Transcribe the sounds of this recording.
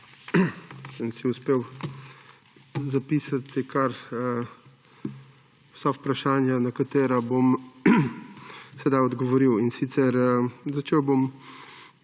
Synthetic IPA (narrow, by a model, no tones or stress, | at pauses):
səmsiuspeːw | zapiːsat̪ikaɾ | w̥sawpɾaʃaːnjanakat̪eːɾabom | sɛd̪ajɔd̪ɡɔʋɔɾiwinsit̪sɛɾzat͡ʃeːwbom